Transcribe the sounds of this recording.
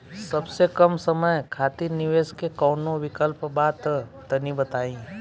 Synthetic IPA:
sɐbsekəmsəməjkʰaːt̪iɾnɪʋeːskekɔːnoʋɪkəlpbaːt̪ː | ɐnibɐt̪aːĩ

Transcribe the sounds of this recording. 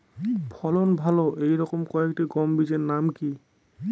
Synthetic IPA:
pʰɔlɔnbʱalɔʔejɹɔkɔmkɔɛktiɡɔmbizɛnamki

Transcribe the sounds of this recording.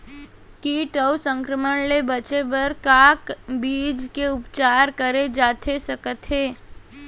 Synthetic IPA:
kiːʈəwsə̃ŋkɾəmənlebɐt͡ʃebɐɾkaːkbiːd͡ʒkeʊpt͡ʃaːɾkəɾed͡ʒaːt̪ʰesɐkət̪ɦeː

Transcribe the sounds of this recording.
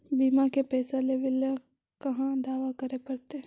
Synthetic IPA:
biːmakepɛːsaleʋɪl | kɐɦãd̪aːʋakɐɾepɐɽt̪e

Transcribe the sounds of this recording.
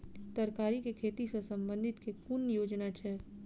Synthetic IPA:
t̪əɾkaːɾikekʰeːt̪isesɐ̃mbə̃nd̪ʱɪt̪kekunjoːd͡ʒnat͡ʃʰɛː

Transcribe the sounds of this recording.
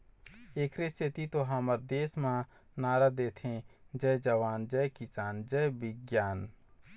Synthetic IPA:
eːkʰɾeset̪it̪oɦaːməɾd̪eːsmã | naːɾad̪eːt̪ʰẽd͡ʒɛd͡ʒəʋaːnd͡ʒɛkɪsaːnd͡ʒɛbɪɡjaːn

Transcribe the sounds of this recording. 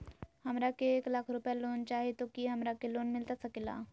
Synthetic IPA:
həmɾakeeːklaːkʰɾʊpjaloːnt͡ʃaːɦet̪okiɦɐmɾakeloːnmɪlt̪asəkila̰

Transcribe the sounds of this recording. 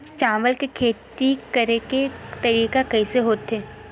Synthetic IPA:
t͡ʃãːʋəlkekʰeːt̪ikɐɾeket̪ɐɾiːkakɐiseɦoːt̪ɦeː

